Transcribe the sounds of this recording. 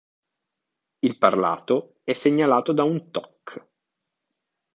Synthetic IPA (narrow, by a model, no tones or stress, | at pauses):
ilparla̰ːt̪o | ɛsːeɲːalaːt̪od̪aunt̪ɔkː